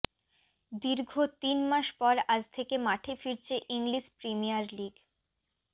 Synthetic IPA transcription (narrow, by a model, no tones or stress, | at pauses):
d̪iɾɡʱot̪inmaʃpɔɾad͡ʑt̪ʰekemaʈʰefiɾt͡ɕʰeʔiŋliʃpɾimijaɾliɡ